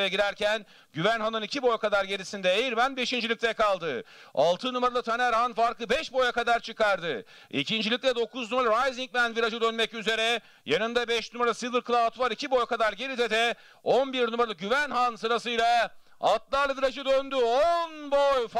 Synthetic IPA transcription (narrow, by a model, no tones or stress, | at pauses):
aɟiɾæɾcʰæn | ɟyvænɦanɯnicʰibo̞jkʰad̪aɾɟe̞ɾisind̪ɛejiɾmænbe̞ʃind͡ʒilʲic̚t̪ʰɛkalˠd̪ɯ | a̰lˠt̪ʰɯnumaɾalˠɯt̪ʰanæɾhanfaɾk̪ˠɯbɛʃbo̞jakad̪aɾt͡ʃʰɯkaɾd̪ɯ | ḭcʰind͡ʒilʲic̚t̪ɛd̪o̞kuznumaɾaɾajziɲc̚mænviɾad͡ʒɯd̪ønmɛcyze̞ɾɛ | janɯnd̪abɛʃnumaɾaasivɯɾkɯlˠat̪vaɾicʰibo̞jkad̪aɾɟe̞ɾid̪ɛd̪ɛ | o̞nbiɾnumaɾalˠɯɟyvænɦansɯɾas̬ɯjlˠa | at̪lˠaɾlˠɯviɾad͡ʒɯd̪ønd̪yonbo̞jf